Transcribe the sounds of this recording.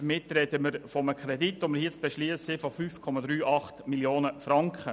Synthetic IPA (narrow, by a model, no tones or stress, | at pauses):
mɪt̪ːɾɛdəməɾfɔməkʰɾɛditːʊməhiət͡sb̥ɛʃliːəssɪfɔfyːfkʰɔmɑd̪ɾyːʔɑχtmiljoːnəfɾɑŋkχə